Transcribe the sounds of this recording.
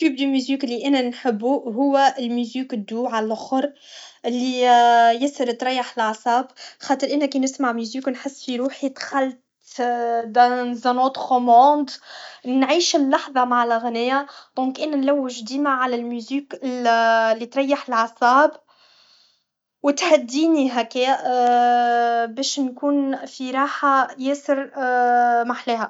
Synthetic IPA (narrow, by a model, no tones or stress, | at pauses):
t̪yːb̚d̪ymyziːkɪlːiʔænænħɪbːuɦʊwːæɪlmyziːkd̪ːuːʕalxʊɾˤ | ɪlːijɪsəɾt̪ɾˤɑjːaħəlʕɑsˤɑːbxɑːt̪ˤəɾʔɪnːækinɪsmaʕmyziːkwnħɪsːfiɾuːħit̪xalt̪ | d̪æzænot̪χomɑ̃ːd̪nʕiːʃllɑħðˤɑmaʕlɣænɪjæd̪̥ɔ̃ːkʔɪnːænlæwːɪʒd̪iːmaʕalælmyziːkɪllːit̪ɾˤɑjːaħɪlʕɑsˤɑːb | wɪt̪had̪ːiːniɦæke | bɛːʃnkuːnfiɾˤɑːħajɛːsəɾ | maħlɛːɦæ